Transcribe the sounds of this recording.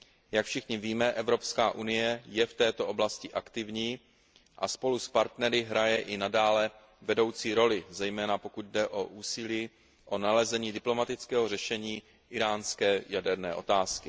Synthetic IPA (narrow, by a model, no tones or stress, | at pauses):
jakfʃɪxɲɪviːmɛʔɛvɾo̞pskaːʔunɪjɛjɛft̪ɛːt̪o̞ʔo̞blascɪʔakt̪ɪvɲiː | ʔaspo̞luspaɾt̪nɛɾɪɦɾajɛʔɪnadaːlɛ | vɛdo̞wt͡siːɾo̞lɪzɛjmɛːnapo̞kut̪̚dɛʔo̞ʔuːsɪliː | ʔo̞nalɛzɛɲiːdɪplo̞mat̪ɪt͡skɛːɦor̝ɛʃɛɲiː | ʔɪɾaːnskɛːjadɛɾnɛ̰ːʔo̞̰t̪aːskɪ